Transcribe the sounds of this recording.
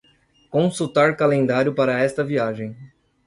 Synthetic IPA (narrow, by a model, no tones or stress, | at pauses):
kõsut̪aɾkalẽnd̪aɾjʊpaɾɐɛst̪ɐviaʒẽj̃